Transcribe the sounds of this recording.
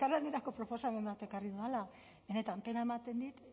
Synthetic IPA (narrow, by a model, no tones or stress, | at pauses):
arlaneɾako̞pɾo̞po̞same̞mbat̪e̞kariðuala | βe̞ne̞t̪ampe̞nae̞mat̪e̞nd̪it̪